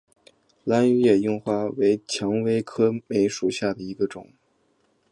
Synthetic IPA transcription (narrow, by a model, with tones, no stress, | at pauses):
la˥ny˥jɛ˥˩jʊ˥˧ŋxwa˥˩we˧˥ɪt͡ɕʰjɑ˧˥ŋwe˥ɪkʰɤ˥me˧˥ɪʂu˨˩ɕja˥˩d̪ə˩i˧˥ɡə˧ʈ͡ʂʊ̰˨˩˦ŋ